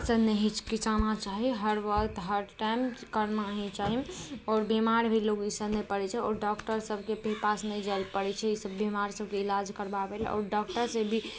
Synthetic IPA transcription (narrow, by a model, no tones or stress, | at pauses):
sənɛɦit͡ʃʰkit͡ʃanat͡ʃaɦiɦəɾʋəkt̪ɦəɾʈajmkəɾnaɦĩt͡ʃaɦiɔːɾbemaɾbʱilokisənɛpəɾɛt͡ʃʰɛɔːɾɖɔkʈəɾsəbʱkepepasnɛd͡ʒaɪlpəɾɛt͡ʃʰɛisəbːimaɾsəb̚ʱkeilad͡ʒkəɾbabelɔ̰ːɾɖɔkʈəɾsẽbʱi